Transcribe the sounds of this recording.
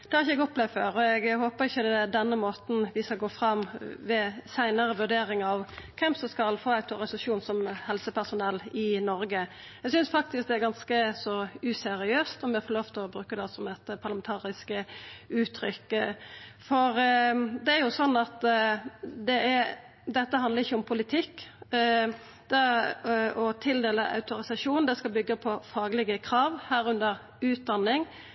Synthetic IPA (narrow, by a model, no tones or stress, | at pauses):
d̪ɛhɑɾɪçəɛɡɔplɛʋføːɾɔɛɡhoːpəɾɪçːəd̪ɛd̪ɛnːəmoːt̪n̩ʋɪskɑlɡoːfɾɑmʋɛsæɪnəɾəʋʉɖeːɾɪŋɑʋkʰɛmsɔmskɑlfoːæɪt̪ʰɑɾɪsʉlʉʂuːnsɔmhɛlsəpʰæʁsʊnɛlːɪnɔɾɡə | ɛɡsʏnsfɑk̚t̪ɪsk̚d̪ɛæɾɡɑnskəsɔʉsɛɾɪøːst̪ɔʋɪɑfɔloːft̪ʰlɔbɾʉːkːəd̪ɛsɔmɛt̪pʰɑʁlɑmɛnt̪ʰɑːɾɪskəʉːt̪ʰːɾʏkː | fɔɾd̪ɛæɾjʊsɔnːɑt̪ | d̪ɛæ | d̪ɛt̪ːəɦɑnləʁɪçːəʊmpʰʊlɪt̪ʰɪkː | d̪̥ɛ | ɔt̪ʰɪld̪eːləʔɑ̰ʉt̪ʊɾɪsɑʂuːnnd̪ɛskɑlbʏɡːəpʰɔfɑːɡlɪɡəkʰɾɑːʋhæːɾʉnd̪əɾ | ʉːt̪̚d̪ɑnːɪŋ